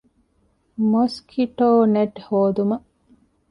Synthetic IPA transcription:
moskʰiʈoːneʈhoːd̪umɐʔ

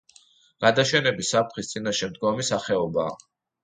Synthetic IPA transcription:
ɡ̥ad̪aʃɛnɛbisap̚t̪ʰχist̪sʼinaʃɛmd̪ɡɔmisaχɛɔba̰ː

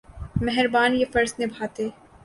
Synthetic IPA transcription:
mɛɦɛɾbaːnjefɐɾsnebʱaːt̪eː

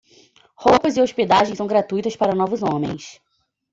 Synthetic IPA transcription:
howpɐzɪosped̪aʒẽj̃sɐ̃w̃ɡɾat̪ujt̪ɐspaɾɐnɔvʊzõmḛ̃j̃s

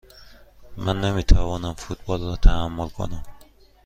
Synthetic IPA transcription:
mænːemiːt̪ʰævɒːnæmfut̪̚bɒlrɒːt̪ʰææmːolkʰo̰næm

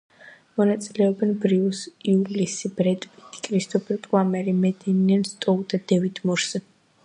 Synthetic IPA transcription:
mɔnat̪sʼilɛɔbɛnbɾiusiulisibɾɛt̪ʼpʼit̪ʰi̥kʼɾist̪ʼɔpʰʼikʼlamɛɾimɛd̪ɛnianst̪ʼɔld̪ad̪ɛvid̪ʰmɔɾsɛ

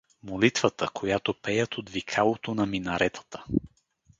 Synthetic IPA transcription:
molit̪vət̪əkʰojat̪opɛjət̪od̪vikʰalˠot̪onɐminɐɾʔɛt̪ə̥t̪ə̥

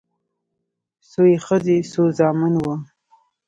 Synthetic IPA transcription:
sojexəzesozɑmɪnwə

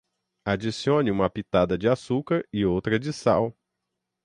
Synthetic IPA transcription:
ad͡ʒisiõnɪũmɐpit̪ad̪ɐd͡ʒɪasukaɾɪowt̪ɾɐd͡ʒɪsa̰w

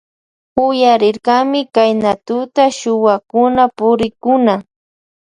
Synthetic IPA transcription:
ʊjaɾɪɾɢɑmɪkajnat̪ʊt̪aʃʊwakʊnapʊɾɪkʊna

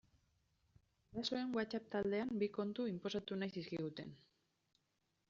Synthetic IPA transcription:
ɾaso̞e̞ŋɡwat͡sap̚t̪ald̪e̞ambiko̞nt̪uimpo̞sat̪unajsiskiɣ̞ut̪e̞n

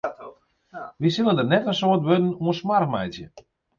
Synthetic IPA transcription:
ʋisɪlˠəndərnɛtənsoətʋødn̩uənsmarkmɛjtjə̰

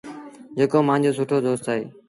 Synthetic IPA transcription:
d͡ʒeːkoːmãːnd͡ʒoːsuːʈʰoːd̪oːst̪aːɦḛː

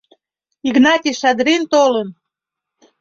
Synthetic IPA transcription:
iɣnɑt̪ʲiʃɑd̪ɾint̪olən

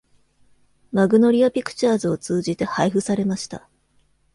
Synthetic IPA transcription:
maɡɯ̟no̞ɾʲiapʲikɯ̟̥t͡ɕaːzɨo̞t͡sɨːd͡ʑit̪e̞haiɸɯ̟saɾe̞maɕi̥t̪a̰

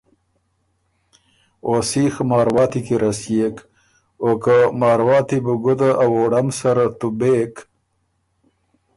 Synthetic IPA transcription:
osiːxmɑːɾwɑːt̪ikiɾɐsjek | oːkamaːɾwɑːt̪ibuɡud̪aʔawoːɽɐmsɐɾat̪ubek

